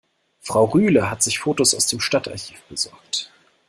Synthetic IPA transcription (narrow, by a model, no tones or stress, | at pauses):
fʁ̥aʊʁyːləɦatz̥ɪçfoːtosaʊsd̥eːmʃtatʰa̰ɐçi̥ːfb̥əzɔɐk̚t